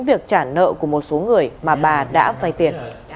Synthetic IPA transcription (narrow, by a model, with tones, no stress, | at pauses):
ŋvi˨˩ək̚t͡ɕaː˧˩nə̰˧˨ku˧˩əmo˨˩t̚so˨˦ŋɨ˨˩əjmaː˨˩ɓaː˨˩ɗa̰ː˧˥vaː˧jt̪i˨˩ən